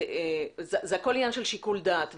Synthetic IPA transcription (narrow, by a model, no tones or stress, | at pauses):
ezezeako̞liɲanʃelʃikuld̪at̪v